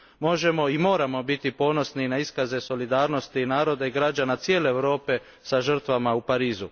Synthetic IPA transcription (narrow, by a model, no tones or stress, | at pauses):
mo̞ʒe̞mo̞imo̞ːɾamo̞bit̪ipo̞no̞sninaiskaze̞so̞lid̪aːɾno̞st̪inaːɾo̞d̪aiɡɾad͡ʑanat̪sje̞ːle̞ːʋɾo̞ːpe̞ | saʒr̩t̪ʋamaupaɾiːzu